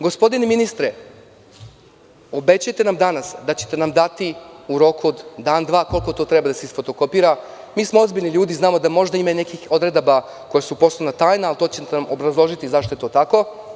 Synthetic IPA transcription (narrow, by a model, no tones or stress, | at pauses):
ɡo̞spo̞d̪ineminist̪ɾe | obe̞t͡ɕujet̪e̞namd̪anasd̪at͡ɕet̪enamd̪at̪iuɾo̞kuod̪ːaːnd̪ʋaːko̞lko̞t̪o̞ːt̪ɾebad̪aseisfo̞t̪oko̞piːɾa | miːsmoo̞zbiʎʲniʎuːd̪iznaːmo̞d̪amo̞ʒd̪aimaine̞kixo̞d̪ɾe̞d̪aba | ko̞jesupo̞slˠonat̪aːjnaalt̪o̞ːt͡ɕet̪namobɾazlˠo̞ʒit̪izaʃt̪oe̞t̪o̞ːt̪ako̞